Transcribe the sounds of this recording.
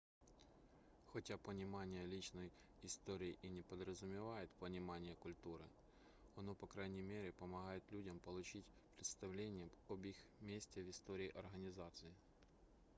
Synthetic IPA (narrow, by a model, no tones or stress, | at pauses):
xɐtʲapənʲɪmanʲɪjəlʲit͡ɕnəj | ɪst̪oɾʲɪɪʔinʲɪpəd̪ɾəzʊmʲɪvajɪt̪pənʲɪmanʲɪjəkʊlʲt̪uɾɨ̰ | ɐno̞pɐkɾajnʲɪjmʲeɾʲɪpəmɐɣajɪt̪lʲudʲɐmpəlˠʊt͡ɕitʲ | pɾʲɪt̪st̪ɐvlʲenʲɪjəɔbixmʲesʲtʲɪəvɪst̪oɾʲɪːʔɐrɣənʲɪzat̪sɨɪ